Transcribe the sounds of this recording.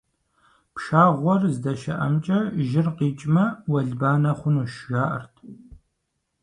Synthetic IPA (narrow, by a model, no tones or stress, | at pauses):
pʃaːʁʷɔrzdɐʃɐ̰ʔɐ̰mt͡ʃʼɐʒɪrqiːt͡ʃʼmɐwɐɮbaːnɐχʷʊnuːʃʒaːʔɐ̰rtʰ